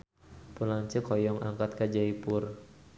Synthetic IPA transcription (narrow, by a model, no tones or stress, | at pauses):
pulaŋɲt͡ʃəkʰɔjɔŋaŋkat̪̚kad͡ʒaipʊr